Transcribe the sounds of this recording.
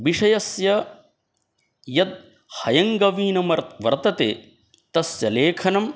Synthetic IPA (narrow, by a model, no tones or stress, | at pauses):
ʋiʂɐjɐsjɐ | jɐd̪̚ | hɐjɐŋɡɐʋiːnɐmɐɾʋɐ̰ɾt̪ɐt̪ḛː | t̪ɐsjɐleːkʰɐnɐm